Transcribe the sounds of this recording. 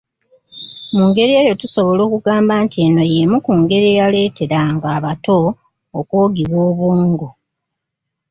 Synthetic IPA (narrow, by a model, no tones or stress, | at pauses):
muːŋɡe̞ɾie̞ːjo̞tuso̞βo̞lo̞ːkuɡaːmbaːntie̞no̞je̞mukuŋɡe̞ɾieːjale̞ːte̞ɾaŋɡaːβato̞ː | kwoːɡiβwoːβwuːŋɡo